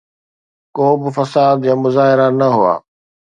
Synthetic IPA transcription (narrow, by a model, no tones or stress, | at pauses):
koːbɪfɐsaːd̪jãːmʊzaːɦɪɾanɐɦʊa̰ː